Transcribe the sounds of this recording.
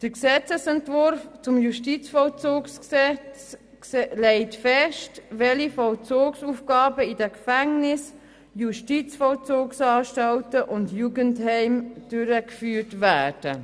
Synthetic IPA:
d̥əksɛt͡səsɛntvʊɾft͡sʊmjuʃtit͡sfɔlt͡soːksksɛt͡s | lɛɪtfɛʃtvɛlifɔlt͡soːksuːfɡ̥ɑːbəidɛkfɛŋnɪs | juʃtit͡sfɔlt͡soːksɑːʃtaltəʔʊndjuːɡənthɛɪmd̥ʏɾəkfyːtvæːd̥ə

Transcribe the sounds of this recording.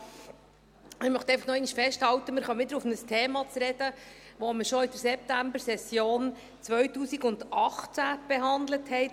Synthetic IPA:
mɪɾmœχt̪ɛjfɑχnɔɛɪniʃfɛʃthɑwt̪əmɪɾχɑmɪd̪əɾʊfnəstʰeːmɑt͡sɾɛd̥əʋomɪɾʃɔidəɾsɛp̚tæmbəɾsɛsjoːn | t͡sʋœɥtuːsiɡʊnd̪ɑχt͡sæb̥eɦɑnd̪ləthɛɪt

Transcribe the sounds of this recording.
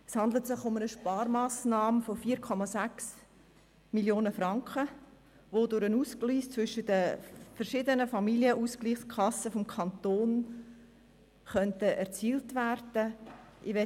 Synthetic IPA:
shɑnd̪lətsɪχʊmənəʃpɑːɾmaːsnɑːmfofiːɾkʰɔmɑsæks | miljoːnəfrɑŋkə | ʋodʊɾənuːskliːst͡svʏʃətdəfəɾʃɪdənəfɑmiljəʔuskliːχskʰɑsəfɔmkʰɑnt̪oːn | χœntəʔɛɾt͡siːltværd̥əʔɪʋɛ

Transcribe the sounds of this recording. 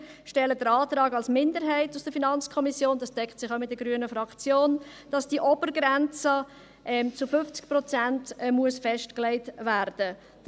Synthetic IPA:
ʃtɛlədəɾɑːtɾɑːɡɑlsmɪndəɾɦɛɪtusd̥əfinɑnt͡skʰɔmisjoːndɑsd̥ɛkχtsɪχaʊmɪt̚dəɡɾyənəfɾɑkt͡sjoːn | d̥ɑsd̥iʔɔbəɾɡɾɛnt͡sə | ʔɛmt͡sʊfʏft͡sɪ̥k̚prɔt͡sæntmuəsfɛʃtklɛɪtværd̥ə̥

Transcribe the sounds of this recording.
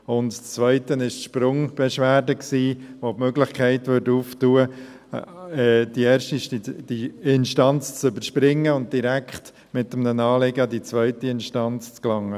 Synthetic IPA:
ʊntt͡sʋœʏtənɪʃtʃpɾʊŋb̥ɛʃʋæːɾdəksiːʋopmøɡlɪχkʰɛɪtʋʏɾtuːftuːə | ɛːd̥iɛːɾʃtiʃid̥iɪnʃtɑnt͡st͡sʏbəɾʃpɾɪŋːəʊnt̚d̥iɾækχt | mɪtːəmnənɑːlɪɡədit͡svœʏtiɪnʃtɑnt͡st͡sklɑŋːə

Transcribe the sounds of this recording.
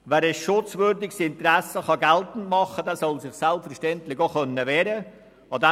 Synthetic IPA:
vɛːɾɛsʃʊt͡svʏɾdɪɡsɪntɾɛsəχɑɡɛltn̩tmɑχədɛːsɔlsɪχsælpfəɾʃtɛntlɪçoχœnːəʋɛːɾə | ɑd̪ɛ

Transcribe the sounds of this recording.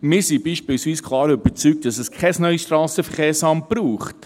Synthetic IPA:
mɪːɾsibiːʃpɪlsʋiːskʰχlˠɑːɾyb̥ət͡syk̚t̚d̥ɑsɛskʰɛsnœɥsʃtɾɑːsəfəχɛːsɑmpɾuːχt

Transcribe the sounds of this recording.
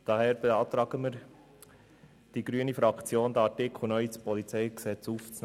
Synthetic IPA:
d̥ɑhɛːɾb̥ɛɑːt̪ɾɑːɡəməɾ | d̥iɡ̥ɾyːənifɾɑkt͡sjoːnd̪əɑtɪkʰχl̩nœispɔlit͡sɛjksɛt͡suːft͡s

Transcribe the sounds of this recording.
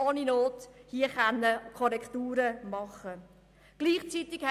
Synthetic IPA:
ɔːninoːthiəχanːəkʰɔɾɛktuːɾəmɑχə | ɡ̥liːχt͡sitɪɡ̥hɛ

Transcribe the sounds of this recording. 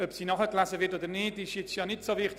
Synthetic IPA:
œpsiːnɑχəklæzəvɪɾtoːdəɾnɪtɪʃjɛt͡sjɑːnɪtsovɪχt

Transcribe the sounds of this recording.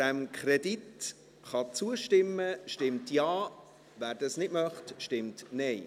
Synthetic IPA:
d̥ɛmkʰχrɛdit | χɑt͡suəʃtɪmːəʃtɪmtjaː | væːɾdɑsnɪtmœχtʃtɪmtnɛɪ

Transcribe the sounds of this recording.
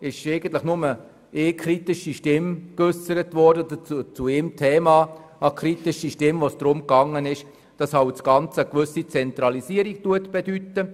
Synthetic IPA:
ɪʃeɪɡən̩tləχnʊmə | ʔeːkʰɾitɪʃiʃtɪmkʏsəɾətvɔrdədət͡sut͡suemtʰeːmɑːɑkʰɾitɪʃiʃtɪmvosd̥ɾʊmkɑŋːənɪʃ | d̥ɑsɑwt͡sɡɑnt͡səəkvʏsit͡sɛnt̪ɾɑlisiəɾik̚tuətb̥edytːə

